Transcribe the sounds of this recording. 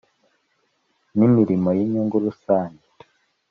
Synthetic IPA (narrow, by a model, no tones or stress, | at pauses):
nimiɾimojiɲuːŋɡuɾusaːnit